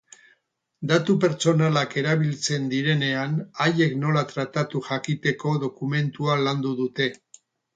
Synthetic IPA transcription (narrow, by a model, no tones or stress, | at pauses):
d̪at̪upe̞ɾt͡so̞nalake̞ɾaβ̞ilt͡se̞nd̪iɾe̞ne̞anaje̞kno̞lat̪ɾat̪at̪uʝakit̪e̞ko̞ðo̞kume̞nt̪ualand̪uðut̪e̞